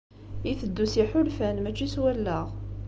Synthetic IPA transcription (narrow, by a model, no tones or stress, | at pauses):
iθəd̪ːusiħʊlfænmæt͡ʃːiswælːəʁ